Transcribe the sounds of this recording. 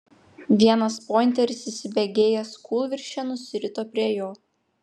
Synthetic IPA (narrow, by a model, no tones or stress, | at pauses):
ʋʲiɛnɐspoːɪnʲt̪ʲɛɾʲɪsɪsʲɪbʲɛɡʲeːjɛskʰuːlˠʋʲɪɾʲʃʲɛnʊsʲɪɾʲɪt̪oːpʲɾʲiɛjoː